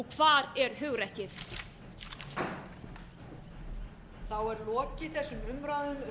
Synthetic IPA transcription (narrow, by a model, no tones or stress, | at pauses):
ɔkʰvaːɾɛɾ̥ɦʏɣɾɛhcɪθ | θawɛɾlɔːcɪθɛsːʏmʏmɾaːðʏn